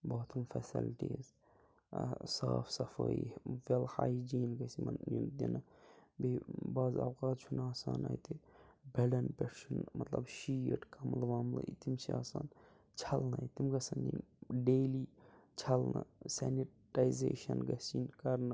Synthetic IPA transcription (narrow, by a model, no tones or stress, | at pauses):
boːt̪ʰɐmfɛsḭlʈiːz | saːfʰsɐfəːiʋelhaːjd͡ʒiːnɡɐsimɐnjund̪inɐbibaːzɐ̰wkaːt̪̚t͡ʃʰunaːsaːna̰ːjt̪ebɛlɐnpʲeʈt͡ʃunmɐt̪lɐbʃiːʈkɐmlʋaːmlɨ̰it̪imsiaːsaːn | t͡ʃʰɐlnɐit̪imɡɐsɐːnd͡ʒinɖeːliːt͡ʃʰɐlnɐsɛniʈajizḛːʃɐnɡɐsinkɐɾnɨ